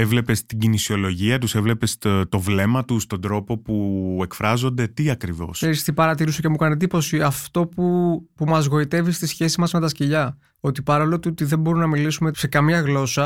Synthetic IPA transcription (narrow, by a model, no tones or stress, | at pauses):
evle̞pest̪iɟinisio̞lo̞ʝiɐt̪use̞vle̞pe̞st̪o̞vle̞mɐt̪ust̪ond̪ɾo̞po̞pue̞kfɾɐzo̞nd̪e̞t̪iɐkɾivo̞̰sseɾist̪ipɐɾɐt̪iɾusocemukɐned̪ipo̞siɐft̪o̞pupumɐzɣo̞it̪e̞vist̪isçe̞sizmɐzme̞t̪ɐsceʎɐ | o̞t̪ipɐɾolot̪uot̪iðe̞bo̞ɾumnɐmilisume̞se̞kɐmɲɐɣlo̞sɐ